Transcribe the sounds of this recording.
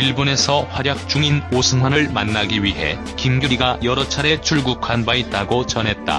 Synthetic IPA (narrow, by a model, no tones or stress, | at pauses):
iɭbune̞sʰʌɸwaɾjak̚t͡ɕ͈uŋinosʰɯŋwanɯɭmanːaɡiɥiɦe̞̰ | kimɡjuɾiɡajʌɾʌt͡ɕʰaɾe̞t͡ɕʰuɭɡukʰanbait̚t͈aɡot͡ɕʌnɦe̞t̚t͈a̰